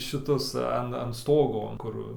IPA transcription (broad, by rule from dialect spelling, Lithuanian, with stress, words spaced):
ʃʲɪˈtʊs ˈɐn ɐn ˈstoːɡoː ˈkʊr